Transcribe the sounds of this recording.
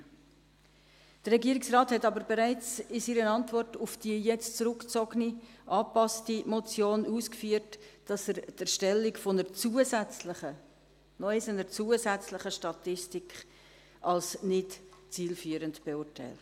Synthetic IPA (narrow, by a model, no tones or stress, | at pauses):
d̥ərːɛɡiəɾɪksrɑːthɛtɑbəɾbeɾæɪt͡sɪsiːɾənɑntvɔrtʊfd̥iəjɛt͡stt͡sɾʊkt͡sɔɡniʔɑːpɑstimɔt͡sjoːnuːskfyːərtd̥ɑsəɾdɛɾʃtɛlːikfonət͡suəsɛt͡sləə | nɔɪsənəɾt͡suəzæt͡sləχəʃtɑtɪstikχ | ʔɑlsnɪtt͡siːlfyːəɾəntb̥eʊɾtæ̰ɪlt